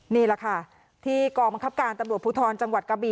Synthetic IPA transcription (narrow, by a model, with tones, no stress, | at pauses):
niː˥˩lɛ˨˩kʰa˥˩ | t̪ʰiː˥˩kɔː˧ŋba˧ŋkʰa˦˥p̚kaː˧nt̪a˧mɾu˨˩t̪̚puː˧˥t̪ʰɔː˧n̚t͡ɕa˧ŋwa˨˩t̪̚ka˧biː˧